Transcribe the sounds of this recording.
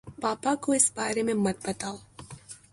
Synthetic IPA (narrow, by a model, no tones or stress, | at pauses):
paːpakoɪsbaːɾemẽmɐt̪̚bɐt̪aːo